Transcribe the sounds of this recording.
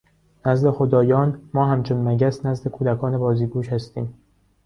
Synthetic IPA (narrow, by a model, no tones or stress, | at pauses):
næzle̞xod̪ɒːjɒːnmɒːhæmt͡ʃʰonmæɟæsnæzd̪e̞kʰuːd̪ækʰɒːnebɒːziːɡuːʃhæst̪ḭːm